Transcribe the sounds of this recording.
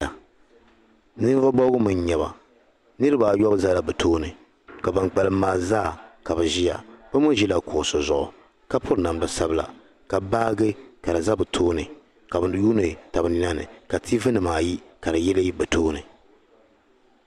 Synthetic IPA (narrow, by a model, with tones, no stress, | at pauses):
a˨ | nɨ˦n˦vɔ˦bɔ˦ɡʊ˦mɨ˦ɲ˦ɲɛ˨βa̰˨ | nɨ˦ɾɨ˦ba˨jɔ˦bza˦la˨bɨ˨tʰoː˦nɨ˨ | ka˨ba˨nk͡pa˨lɨ˦maː˨zaː˦˨ka˨bɨ˨ʒi˦ja̰˨b̥ɨ˦mʊ˦ʒi˦la˨kʊ˨so˨zʊ˨ʔʊ˨ | ka˦pʰʊ˦ɾna˨mdɨ˨˦sa˦bɨ˦la̰˨ | ka˨baː˦ɡɨ˦ka˨dɨ˨za˦bɨ˨tʰoː˦nɨ˨ | ka˨bɨ˨˦juː˦nɨ˨ta˨bɨ˨ni˦na˦nɨ̰˨ka˨tʰi˦vɨ˦nɨ˨maː˨ji˦ka˨dɨ˨jɛ˦lɨ˦ji˦bɨ˨tʰoː˦nɨ˨